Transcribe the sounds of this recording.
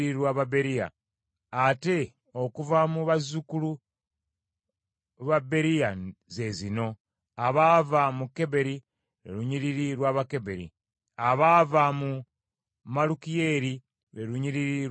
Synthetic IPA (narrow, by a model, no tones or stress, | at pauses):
iɾwaːβabe̞ɾija̰ | ate̞ | o̞kuvamuβazukulu | βabe̞ɾijaze̞zino̞ | aβaːvamukːe̞be̞ɾi | ɾḛɾuɲiɾiɾiɾwaːβake̞be̞ɾḭ | aβaːvamu | malukije̞ɾi | ɾeɾuɲiɾiɾi